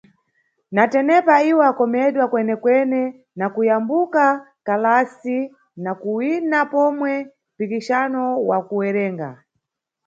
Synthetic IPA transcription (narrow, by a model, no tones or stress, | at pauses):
natɛnɛpaiwɔakɔmɛɗwakwɛnɛkwɛnɛ | nakujambuka | kalasi | nakuwinapɔmwɛ | mpikiʃanɔwakuwɛɾɛːŋɡa̰